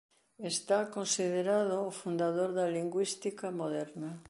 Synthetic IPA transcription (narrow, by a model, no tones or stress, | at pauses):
est̪akõnsiðeɾaðoːfund̪aðoɾðaliŋɡwist̪ikamoðɛɾna